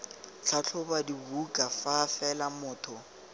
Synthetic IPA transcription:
t͡ɬʰat͡ɬʰʊbadibukʼafafɛlamʊːtʰɔ

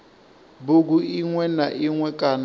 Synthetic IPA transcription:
buk̬uiŋwɛnaʔiŋwɛkʼan

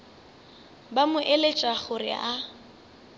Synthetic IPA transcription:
bamʊʔelet͡ʃʼaχʊrɪ̰ʔa

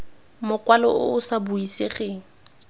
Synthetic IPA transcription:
mʊkwalɔ̰ʔʊ̰ʊsabuisɪχɛŋ̩

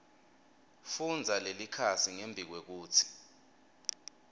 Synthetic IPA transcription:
fund͡zʱalelikʰasiŋembʱik̬wek̬uːt͡sʰi̥

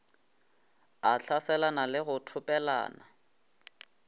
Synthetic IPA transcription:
at͡ɬʰasɛlanalɪɣʊtʰʊpʼɛla̰ːna̰

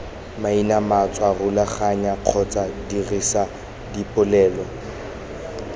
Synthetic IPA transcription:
mainamat͡sʼwarʊlaχaɲaq͡χʰɔt͡sadirisa | dipʼʊlɛːlwɔ

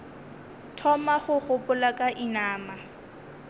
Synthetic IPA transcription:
tʰɔmaχʊχʊpʊlakʼaʔinaːma

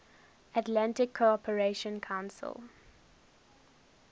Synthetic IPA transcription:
ətlãntɪkʰːoɔpʰəɹeʃə̃nkʰãʊ̃nsə̰l

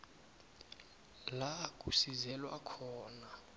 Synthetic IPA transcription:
lak̬ʼusizɛlwakʰɔːna

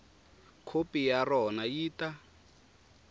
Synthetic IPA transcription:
kʰopijarɔnajiːta

